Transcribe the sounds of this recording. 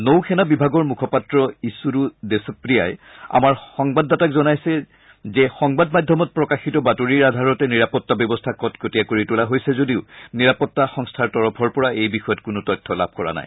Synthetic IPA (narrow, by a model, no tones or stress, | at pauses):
nowkʰɛnabibʱaɡɔɹmukʰɔpatɹɔisuɾudesɔpɹija̰ja̰maɹxɔŋbadːatakzɔnajsɛ | zɛxɔŋbadmadʱɔmɔt̚pɹɔkaxitɔbatoɹiɹadʱaɹɔtɛniɹapɔtːabjɔbɔstʰakɔtkotijakoɹitulaɦojsɛzodiʊniɹapɔtːaxɔŋstʰaɹtɔɹɔpʰɔɹpɔɹaejbixɔjɔtkʊnʊtɔjtʰːɔla̰b̚ʱkɔɹa̰na̰j